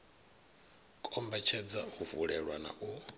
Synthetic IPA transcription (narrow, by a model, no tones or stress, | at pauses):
kʼɔmbɛt͡ʃʰɛd͡zahuvuɺɛɺwana̰ʔu